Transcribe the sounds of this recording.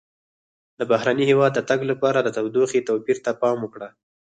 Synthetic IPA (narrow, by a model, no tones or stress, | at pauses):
d̪əbaɦɾanihewɑd̪ːət̪aɡlapɑɾad̪ət̪awd̪oxit̪apiɾt̪apɑmʊkɽa